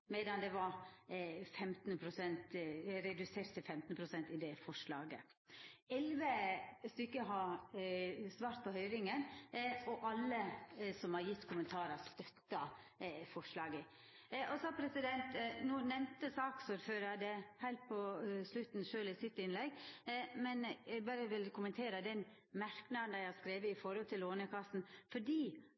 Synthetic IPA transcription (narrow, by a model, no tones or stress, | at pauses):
mɛd̪ɑnd̪ɛʋɑɾ | fɛmt̪npʰɾʊsɛnt̪ɾɛd̪ʉseːɾt̪sɛɪfɛmt̪nəpʰɾʊsɛnt̪ɪd̪ɛfɔʂɭɑːɡə̰ | ɛlʋəst̪ʏkːəɦɑ | sʋɑːɾt̪̚pʰɔhœʏɾɪŋənɔʔɑlːəsɔmhɑɾjɪt̪ːkʰʊmənt̪ʰɑːɾəst̪œt̪ːɑ | fɔʂɭɑːɡə | ʔɔsɔɑpʰɾɛsɪd̪ɛnt̪nuːnɛmnt̪əsɑːksʊɾføːɾɑd̪ɛhæɪlt̪̚pʰɔslʉt̪nʃøːlɪsɪt̪ːɪnlɛɡmɛnæɡbɑːɾəʋɪlkʰʊmənt̪ʰeːɾəd̪ɛn | mæɾknɑd̪nææhɑskɾeːʋəɪfɔɾhɔlt̪ʰɪloːnəkʰɑst̪n̩fɔɖiː